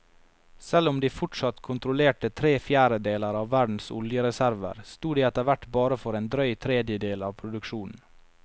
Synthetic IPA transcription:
sɛlʊmd̪iːfʊʈʂɑt̪kʰʊnt̪ɾʊleːʈət̪ʰɾeːfjæːɾəd̪eːləɾɑːʋːæɖɳ̩sʊ̰ljəɾɛsæɾʋə̰ɾst̪uːd̪eːɛt̪əɾʋæʈbɑːɾəfɔɾeːnd̪ɾœʏt̪ʰɾeːd̪jəd̪eːlɑːʋpʰɾʊd̪ʉkʃuːnn̩

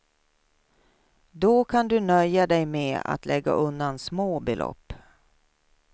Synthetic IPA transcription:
d̪ɔkʰand̪ɵnœjːad̪ɛjmeːa̰t̪lɛɡːa̰ʔɵnd̪ansmoːbɛlʔɔ̰pː

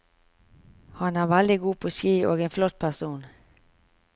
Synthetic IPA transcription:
hɑnæːʁʋæld̪ɪɡuːpʰoːskiːʔoːɡeːnflɔt̪̚pʰæʁsuːn

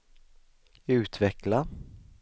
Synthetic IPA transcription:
ʉ̟ːt̪vɛkla

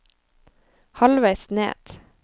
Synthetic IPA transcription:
hɑlʋæɪsnḛːd̪̥

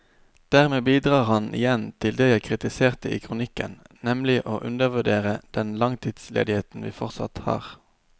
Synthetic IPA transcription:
d̪̥æːʁmeːbiːd̪ʁɑːʁhɑnʔɪ̰jɛnt̪ʰɪld̪eːjæɪkʰʁɪt̪ɪseːʁt̪əḭːkʰʁʊnɪkə̰nnɛmlɪʔoːʔʉnd̪əʁʋʉɖeːʁəd̪̥ɛnlɑŋt̪ʰiːd̪slḛːd̪ɪheːt̪n̩ʋḭːfɔʁt̪sɑ̰t̪hɑ̰ːʁ

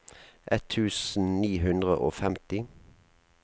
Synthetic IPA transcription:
ʔɛt̪ʰːʉːsn̩niːɦʉnd̪ʁə̰ʔo̰ːfɛmt̪ɪ

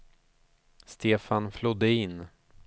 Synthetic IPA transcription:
st̪ʰeːfanflɔd̪ːəɪnː

